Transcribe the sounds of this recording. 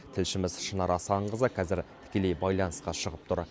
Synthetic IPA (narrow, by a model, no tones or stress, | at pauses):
t̪ʰɪlʃɪmɪzʃənɑɾɑsɑɴʁəzɑqʲʰɑzɪɾt̪ʰɪ̥kʲe̞le̞jbɑjlˠɑnəsqɑʃəʁəp̚t̪ʰʊɾ